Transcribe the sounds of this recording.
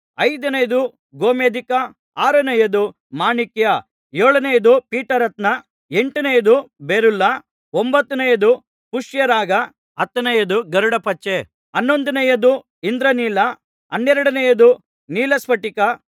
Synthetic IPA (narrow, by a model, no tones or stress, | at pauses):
ɐjd̪ɐnɐjɐd̪u | ɡoːmeːd̪ikɐ | aːɾɐnɐjɐd̪u | maːɳikjɐ | jeːɭɐnɐjɐd̪upiːʈɐɾɐt̪nɐ | eɳʈɐnɐjɐd̪ubeɾulːɐ | ombɐt̪ːunɐjɐd̪u | puʂjɐɾaːɡɐ | ɐt̪ːɐnɐjɐd̪uɡɐɾuɽɐpɐt͡ʃːe | ɐnːo̞nd̪ɐnɐjɐd̪u | ind̪ɾɐniːlɐ | ɐnːɛɾɐɽɐnɐjɐd̪u | niːlɐsʋɐʈikɐ